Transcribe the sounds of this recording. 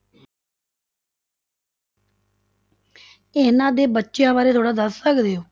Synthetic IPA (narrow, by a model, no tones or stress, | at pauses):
enãːd̪eːbətːʃjãːbaːɾeːt̪ʰoːɽaːd̪əsːəkd̪eːoː